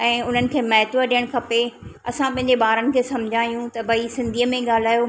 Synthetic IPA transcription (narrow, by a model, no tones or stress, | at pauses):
ɛ̃ːʊn̤ənɪ̆kʰeːmɐɦt̪ʋəɗijəɽ̃kʰɐpeɐsãpɐ̃ɦɪ̃ɲ̆d͡ʑeɓaːɾənɪ̆kʰeːsɐmd͡ʑʱaːijũt̪ɐbʱɐisɪ̃nd̪ʱiːəmẽɠaːl̤aːjo